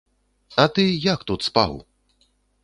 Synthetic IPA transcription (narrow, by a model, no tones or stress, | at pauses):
ɐt̪ɨjakt̪ut̪spa̰w